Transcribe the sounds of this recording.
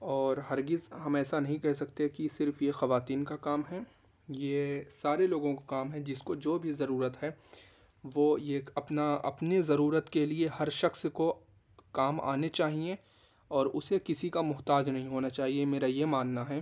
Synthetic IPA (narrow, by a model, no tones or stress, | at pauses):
ɔːɾɦɐɾɡɪzɦɐmɛːsanɐɦĩkɛɦsɐkt̪ekisɪɾfjexɐʋaːt̪iːnkakaːmɦɛː | jesaːɾeloːɡõkakaːmɦɛd͡ʒɪskod͡ʒoːbʱizɐɾuːɾət̪ɦɛː | ʋojekɐpnaɐ̰pnezɐɾuːɾət̪keliehɐɾʃɐxsko | kaːma̰ːnet͡ʃaːɦie | ɔːɾʊsekɪsikamʊɦt̪aːd͡ʒnɐɦĩɦoːnat͡ʃaːɦiemeːɾajemaːnːaɦɛː